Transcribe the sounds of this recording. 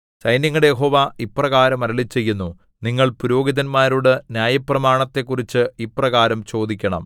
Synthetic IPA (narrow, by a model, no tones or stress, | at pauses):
ɕɐjnjɐŋːɐɽejeɦo̞ːʋaiprɐɣaːɾɐmɐɾɐɭit͡ɕːe̞jːunːu | niŋːɐɭpuɾo̞ːɡiðɐnmaːɾuɽenjaːjɐprɐmaːɳɐt̪ːe̞kːurit͡ɕːɨiprɐɣaːɾɐmt͡ɕo̞ːd̪ikʲːɐɳɐ̰m